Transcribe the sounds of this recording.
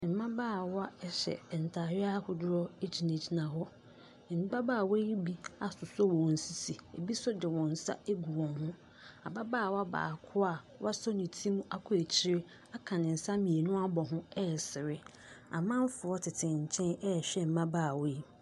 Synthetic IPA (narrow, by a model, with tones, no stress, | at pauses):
m̩˨mã˦baː˦˨wa˦ɛ˦ɕɛ̰˨n̩˨tʰaː˨ɾɪ˦a˦hʊ˨dʊ˦ɾɔ˦e˦d͡ʑʰi˨nẽ˨d͡ʑi˨nã˨hɔ˦ | m̩˨ba˦baː˦˨we˦i˦bi˦a˦sʊ˨sɔ˦wɔ̃˨n̩˨si˦si˨e˨bi˦sʊ˦dɪ˨wɔ̃˨n̩˨sa̰˦e˦ɡu˨wɔ̃˨hʊ̃˦ | a˨ba˦baː˦˨wa˦ba̰ː˨kʰʊ˦a˦˨ | wʔa˦sɔ˦nĩ˨tʰĩ˦m˦a̰˨kʰʊ˦e˨t͡ɕʰɪ˦ɾɪ˦ | a˦kʰã˨nɪ̃˨n̩˨sa˦mĩ˨e˨nʊ̃˦a˦bɔ˨ɦʊ̃˦ɛ˦˨sɪ˨ɾɪ˦ | a̰˨mã˦m̩˦fʊ˨ɔ˦tʰɪ˨tʰɪ̃˨ɲ̩˨t͡ɕʰɛ̃˦nɛ˦˨ɕᶣɛ˦m̩˨mã˦baː˦˨we˦i˦